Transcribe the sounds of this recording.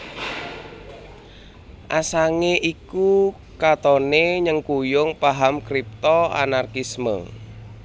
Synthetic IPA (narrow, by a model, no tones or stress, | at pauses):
ʔasaŋeʔiku | kat̪ɔneɲəŋkujʊŋpaɦamkɾip̚t̪ɔa̰narkismə̰